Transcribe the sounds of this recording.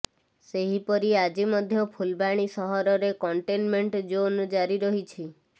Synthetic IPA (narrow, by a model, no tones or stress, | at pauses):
seɦipɔɾiad͡ʒimɔd̪ʱjɔpʰulbaɽ̃isɔɦɔɾɔɾekɔɳʈenmeɳʈd͡ʒond͡ʒaɾiɾɔɦit͡ʃʰi